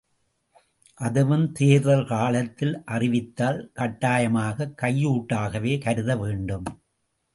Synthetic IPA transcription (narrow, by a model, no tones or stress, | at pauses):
ʔɐðɯʋɯmt̪eːɾðɐlkaːɭɐt̪ːɪlʔɐrɪʋɪt̪ːaːlkɐʈːaːjɐmaːɣɐkːɐjːuːʈːaːɣɐʋeːkɐɾɯðɐʋeːɳɖɯm